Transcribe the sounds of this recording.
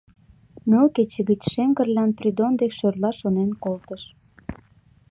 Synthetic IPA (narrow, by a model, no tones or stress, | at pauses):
mølket͡ɕə̆ɣət͡ɕʃeŋɡə̆rlɑnprid̪ond̪ekʃørlɑʃonenkolt̪əʃ